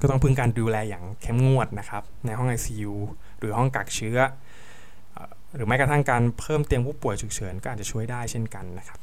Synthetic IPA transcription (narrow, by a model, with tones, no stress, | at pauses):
kɔː˥˩t̪ɔ˥ŋpʰɯ˥˩ŋkaː˧nduː˧lɛː˧jaː˨˩ŋkʰe˦˥˩mŋu˥˩ət̪̚na˦˥kʰa˦˥p̚na˧jɦɔ˥˩ŋʔaː˧jsiː˧juː˧ | ɾɯː˩˦ɦɔ˥˩ŋka˨˩k̚t͡ɕʰɯ˦˥ɐ | ʔː | ɾɯː˩˦ma˦˥jkɾt̪ʰa˥˩ŋkaː˧npʰɤː˥˩mt̪i˧əmpʰuː˥˩pu˨˩əjt͡ɕʰɯ˨˩k̚t͡ɕʰɤː˩˦nkɔː˥ʔa˨˩t͡ɕa˨˩t͡ɕʰu˥˩əjdaː˥˩jt͡ɕʰe˥˩nka˧nːa˦˥kʰḁ˦˥p̚